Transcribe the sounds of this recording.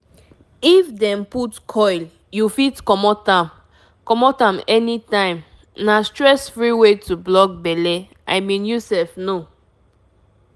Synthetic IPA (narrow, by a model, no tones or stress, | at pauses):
ifdɛ̃mputkʰɔɪl | jufitkɔmɔtãm | kɔmɔtãmɛnitãɪ̃m | nastɹɛsfɹiwetublɔk̚bɛlɛ | ʔaɪmĩnjusɛfno